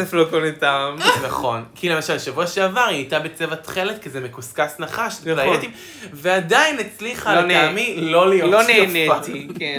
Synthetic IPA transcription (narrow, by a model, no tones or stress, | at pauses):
eflokoletamnaχo̞nkʰile̞maʃalʃavuaʃeavaʁiatabet͡sevat̪χeletkezemekuskasnaχaʃplajetim | veadainet͡sliχanaːmilo̞lijoloneonnat̪ike